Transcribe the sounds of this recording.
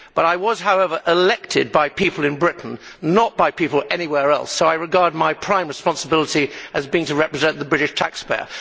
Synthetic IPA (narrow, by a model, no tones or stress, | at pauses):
b̥ʌɾaɪwʌz̥ɦaʊɛvə˞ʔɪlɛk̚tʰɪd̚baɪpipəl̩ˠɨ̃nbɹɪʔn̩nət̚b̥aɪpipl̩ˠɛñiwɛɹɛ̰lˠsoʊaɪɹɨɡɑɹd̚maɪpʰɹ̥ãɪ̃mɹɨspɑ̃nsəbɪlˠəɾiɨzbiɪ̃ŋtɨɹɛpɹɨzɛ̃nðəbɹɪɾɨʃtʰæ̰kspeɪə̰˞